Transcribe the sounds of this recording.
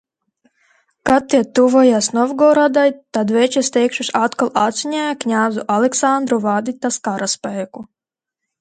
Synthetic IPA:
kat̪ʲːiɛt̪uvɔjasnɔvɡɔɾad̪ajt̪ad̪vɛt͡ʃɛst̪ɛjkʃuʃat̪kalˠat̪zʲiɲʲæːjaknʲaːzuʔalɛksand̪ɾuvad̪it̪askaɾaspɛjku

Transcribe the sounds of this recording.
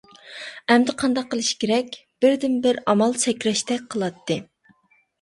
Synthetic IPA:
ɛmd̪ɪqʰɑnd̪ɑqːəlˠɨʃi̥kʲeɾɛkʲb̥ɪɾd̪ɪnbɪɾɑmɑlˠsʰɛkʲɾɛʃt̪ɛk̚ʲqʰəlˠɑt̪ʰːɨ

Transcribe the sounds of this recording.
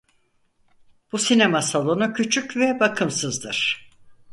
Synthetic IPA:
b̥usinemasalˠo̞nucʰyt͡ʃʰycvɛbakʰɯmsɯzd̪ɯɾ̥

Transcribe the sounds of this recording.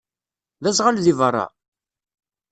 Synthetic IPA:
ðæsʁalðivərˤːɑ̰

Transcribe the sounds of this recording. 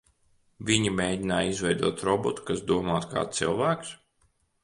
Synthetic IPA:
vʲiɲimeːd̪ʲinaːizvɛjd̪uɔt̪ɾɔbɔt̪u̥kasd̪uɔmaːt̪kʰa̰ːsilˠvæːks

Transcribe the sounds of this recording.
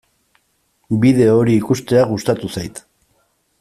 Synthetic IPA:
biðe̞oɾiːkust̪e̞aɣust̪at̪usajt̪

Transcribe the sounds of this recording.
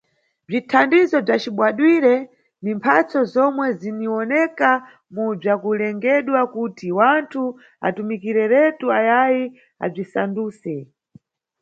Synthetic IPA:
b͡ʐitʰandizɔb͡ʐat͡ʃiɓwaɗwiɾɛ | nimpʰat͡sɔzɔmwɛziniɔnɛka | mub͡ʐakulɛŋɡɛɗwakutiwantʰu | a̰tumikiɾɛɾɛtuajaji | a̰b͡ʐisa̰nduːsɛ

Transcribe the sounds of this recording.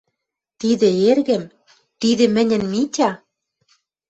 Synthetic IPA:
t̪iðĕerɣɘ̆m | t̪iðɘ̆mɘ̆nʲɘ̆nmitʲɑ

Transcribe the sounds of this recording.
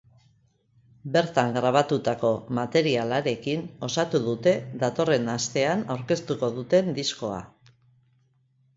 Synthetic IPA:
be̞ɾt̪aŋɡɾaβ̞at̪ut̪ako̞mat̪e̞ɾialaɾe̞kino̞sat̪uðut̪e̞ðat̪o̞re̞nast̪e̞anawɾke̞st̪uko̞ðut̪e̞nd̪isko̞a̰

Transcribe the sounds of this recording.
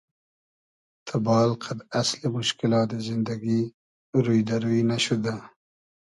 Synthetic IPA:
t̪ʰabɑːlqʰad̪aslemʊʃkɪlɑt̪̚d̪əzɪnd̪aɡi | ɾujd̪aɾuinaʃud̪a

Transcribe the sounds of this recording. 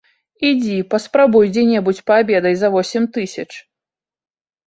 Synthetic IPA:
id͡zʲipɐspɾabujd͡zʲɛnʲɛbut͡sʲpabʲɛd̪ɐjzɐvɔsʲɛmʲt̪ɨsʲɐt͡ʂ

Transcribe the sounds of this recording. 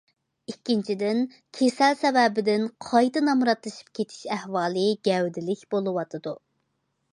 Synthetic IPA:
ikʲːint͡ʃʰid̪ɪn | kʲʰesɛlsɛvɛbɪd̪ɪnqʰɑjt̪ɨnɑmɾɑt̪lˠɨʃi̥p̚kʲʰet̪ʰi̥ʃæhwɑːlˠɨɡʲɛwd̪ɪlɪkʲb̥olˠɨwɑt̪ʰɨd̪u

